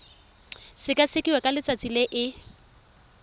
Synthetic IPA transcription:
sɪkʼasɪkʼiwɛkʼalɪt͡sʼat͡sʼileʔɪ

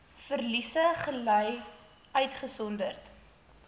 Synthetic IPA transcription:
fərlisəχələj | œɥtχəsɔndərt

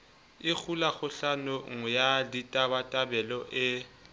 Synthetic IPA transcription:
ɪk͡xʰulaɣʊɬanʊŋ̩jaditʼabatʼabɛlɔʔɪ

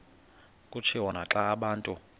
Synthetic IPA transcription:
kʼut͡ʃʰiwɔnaǁaːɓaːntʼu

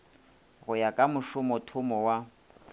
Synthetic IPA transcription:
ɣʊjakʼamʊʃʊmɔtʰʊmɔwa

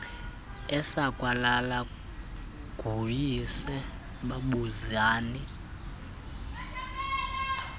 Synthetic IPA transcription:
ɛsakʼwalala | ɡ̥ʱujisɛ | ɓaɓuzaːni

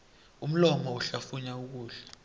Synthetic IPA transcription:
um̩lɔmɔuɬafuɲauk̬uːɬɛ̥

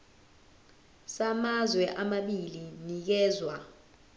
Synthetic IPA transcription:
samazwɛʔamaɓilinik̬ɛːzwa

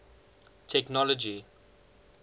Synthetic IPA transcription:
tʰɛknɔlɔd͡ʒi

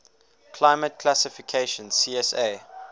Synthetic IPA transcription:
kʰlaɪmət̚kʰlasɪfikʰeʃə̃nsiːɛseː

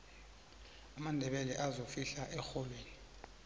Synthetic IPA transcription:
amandʱɛɓɛlɛʔazofiɬaʔɛxɔlweːni

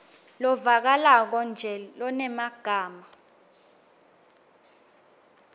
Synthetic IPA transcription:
lɔvak̬alak̬ɔnd͡ʒʱɛlɔnɛmaɡ̥ʱaːma

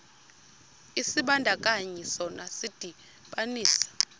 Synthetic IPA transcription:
isiɓandʱakʼaɲɛsɔnasid̥ʱi | ɓaniːsḁ

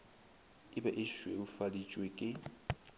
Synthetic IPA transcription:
ɪbaʔɪʃweufalit͡ʃʼwekʼɪ

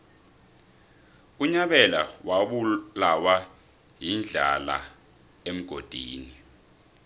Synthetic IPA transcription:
uɲaɓɛla̰waɓulawa | ɦind͡ɮʱala̰ | em̩ɡ̥ʱod̥ʱiːni

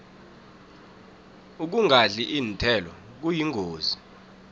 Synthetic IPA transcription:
uk̬uŋɡʱaɮiʔiːntʰɛlɔ | k̬ujiŋʱoːzi

